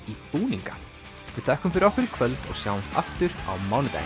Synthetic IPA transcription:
ipuːniŋka | vɪðθɛhkʏmfɪɾɔhkʏɾɪ̥kʰvœlt̪ɔ̰ɣsjawɪmst̪a̰ft̪ʏɾ̥a̰wmaːwnʏt̪a̰j

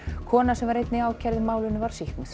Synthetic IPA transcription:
kʰɔːnasɛmvaɾejt̪nɪaːwcʰɛɾðɪmaːwlɪnːʏvaɾ̥sihknmθ

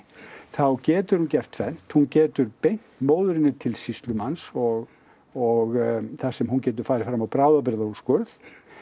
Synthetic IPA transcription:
θawcɛːt̪ʏɾ̥huncɛr̥t̪fɛn̥t̪huncɛːt̪ʏɾpejn̥t̪moːwðʏɾɪnːʏt̪ʰɪlsist̪lʏmansɔɣ | ɔɣθasɛmhuncɛːt̪̬ʏɾ̥faːɾɪfɾamawpɾaːwðap̬ɪɾðauskʏɾθ

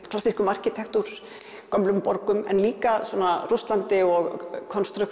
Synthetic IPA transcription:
klasiskʏmar̥cit̪ʰɛxt̪uɾ̥ | kœmlʏmpɔɾkʏmɛ̰nliːkaswuɔːnarust̪lant̪ɪɔɣkʰɔnst̪ɾʏx

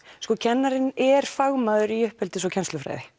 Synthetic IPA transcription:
skɔcʰɛnːaɾɪnɛɾ̥faɣmaðʏɾiʏhphɛlt̪ɪs̬ɔcʰɛnst̪lʏfɾa̰ːjðɪ

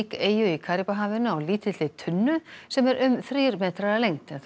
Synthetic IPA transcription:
keːjʏikʰaːɾipaɦaːvɪnʏawliːt̪ʰɪɪt̪ʰʏnːʏsɛmɛɾʔʏmθɾiːɾmɛːt̪ɾaalejŋt̪ɪnθ

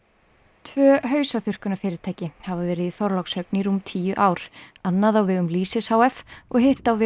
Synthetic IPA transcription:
t̪ʰvœːɦœːɥsaθʏr̥kʏnafɪːɾɪɾ̥t̪ʰaːjcɪhavavɛːɾɪðiθɔɾlawksœpniɾumt̪ʰiːjʏʔaːwɾ̥anːaðawvɪɣʏmliːsɪsawɛfɔɣhɪht̪awvɪ

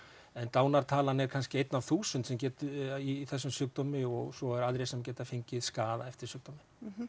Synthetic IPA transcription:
ɛnt̪aːwnaɾ̥t̪ʰaːlanɛɾkʰanscɪejt̪navθuːsʏnt̪sɛmcɛːt̪ʏiθɛsːʏmsʏːk̚t̪ɔːmɪɔɣsɔɛɾaðɾejsɛmcɛːt̪afeɲcɪðskaːðaɛft̪ɪɾ̥sjʏːk̚t̪ɔmɪ

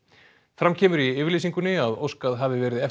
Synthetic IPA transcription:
fɾamcʰɛːmʏɾiɪːvɪɾliːsiŋkʏnɪaðo̰wskaðɦaːvɪvɛːɾɪðɛf

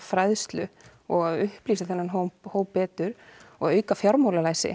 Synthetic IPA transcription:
fɾajðst̪lʏ | ɔɣaðʏhpliːsaθɛnːanɦohoːwpɛːt̪ʏɾɔɣaœːɥkafjawɾmoːwlalaːjsɪ̰

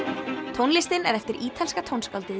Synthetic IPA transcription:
t̪ʰownlɪst̪ɪnɛɾɛft̪ɪɾʔiːt̪ʰalskat̪ʰownskalt̪ɪ

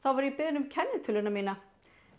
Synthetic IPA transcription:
θawvaɾipɪðɪnʏmcʰɛnːɪt̪ʰʏlʏnamiːna

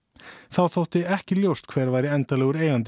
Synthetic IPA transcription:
θawθowht̪ɪɛhcɪljowst̪kʰv̥ɛːɾvaːjɾɪɛnt̪alɛːɣʏɾeːjant̪

